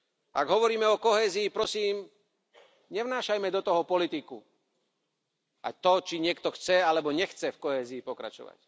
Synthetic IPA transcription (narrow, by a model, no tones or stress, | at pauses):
ʔa̰ɡɦɔʋɔɾiːmɛɔkɔɦɛːziːpɾɔsiːm | ɲɛʋnaːʃajmɛd̪ɔt̪ɔɦɔpɔlit̪iku | ʔa̰jt̪ɔt͡ʃiɲɪɛkt̪ɔxt͡sɛalɛbɔɲɛxt͡sɛfkɔɦɛːziːpɔkɾa̰t͡ʃɔ̰ʋa̰c